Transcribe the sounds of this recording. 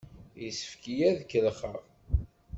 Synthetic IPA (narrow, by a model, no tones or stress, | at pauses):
jisə̥fkijæðkːəlχəʁ